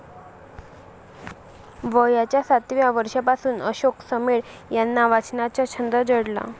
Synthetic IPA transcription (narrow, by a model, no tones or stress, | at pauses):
ʋəjat͡ɕjasat̪ʋjaʋəɾʂapasuːnəɕoksəmeɭ | janːaʋat͡snat͡ɕjat͡ɕʰənd̪əd͡zəɽla̰